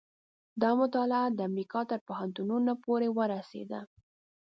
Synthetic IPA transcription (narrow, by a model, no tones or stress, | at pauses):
d̪ɑmʊt̪ɑlɪad̪əamɾikɑt̪əɾpʊɦant̪ununapoɾewəɾasḛd̪a